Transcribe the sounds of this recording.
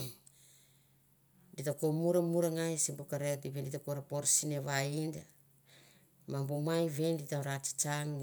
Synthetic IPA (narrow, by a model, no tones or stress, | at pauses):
ditakomuɾamuɾaŋajsimbukaɾetiβenditakoɾapoɾsineβainda | mabumajβenditaɾat͡ʃi̥t͡ʃaŋ